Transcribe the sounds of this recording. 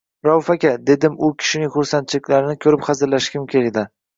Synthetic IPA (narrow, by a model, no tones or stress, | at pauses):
ɾawfakʲad̪e̞d̪ɪmʊkʲʰɪ̥ʃɪnɪŋχʊɾsant̪̚t͡ʃʰɪlɪkʲlaɾɪnɪkʲʰɵɾɪpχɑzɪɾlaʃkʲɪmkʲʰeld̪ɪ